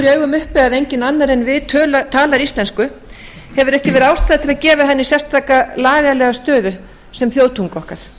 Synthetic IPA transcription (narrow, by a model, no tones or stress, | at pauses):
ɾiœːɥɣʏmʏhpɛðaðejɲcɪnanːaɾɛnvɪðt̪ʰœːlat̪ʰaːlaɾist̪lɛnskʏ | hɛvʏɾɛhcɪvɛːɾʏawst̪aðat̪ʰɪlaðcɛːvaɦɛnːɪsjɛ̥st̪ʰaːkalaːvjalɛɣast̪œːðʏ | sɛmθjoːwt̪ʰuŋkɔhkaɾ̥